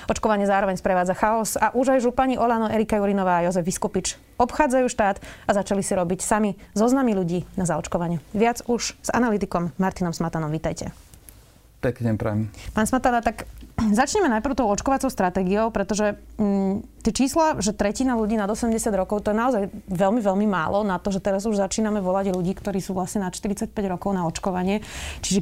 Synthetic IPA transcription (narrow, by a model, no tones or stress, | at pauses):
ɔt͡ʃkɔʋaɲɪɛzaːɾɔʋɛɲspɾɛʋaːd͡zaxaɔsaʔuʒajʒupaɲiʔɔlanɔʔɛɾikajuɾinɔʋaːjɔzɛviskupit͡ʃ | ɔpxaːd͡zajuːʃt̪aːd̪azat͡ʃalisiɾɔbicsamizɔznamiluɟiːnazaɔt͡ʃkɔʋaɲɪuʋɪad͡zuʒz̥a̰nalit̪ikɔmːaɾt̪inɔmsmat̪anɔmʋit̪ajcɛ̰ | pɛkɲɛpɾɛ̰mipaːnsmat̪anat̪akzat͡ʃɲɛmɛnajpɾʊt̪ɔʊɔt͡ʃkɔʋat͡sɔʊst̪ɾat̪ɛːɡiɔʊpɾɛt̪ɔʒɛ | t̪ɪɛt͡ʃiːslaʒɛt̪ɾɛcinaluɟiːnad̪ɔsɛmɟɛsɪad̪ɾɔkɔʊt̪ɔjɛnaɔzajʋɛlmiʋɛlmimaːlɔnat̪ɔʒɛt̪ɛɾazuʒzat͡ʃiːnamɛʋɔlaɟʎuɟiːkt̪ɔɾiːsuːʋlasɲɛnat̪ʃt̪iɾit͡sac̚pɛɟɾɔkɔʊnaɔt͡ʃkɔʋaɲɪɛt͡ʃiʒɛ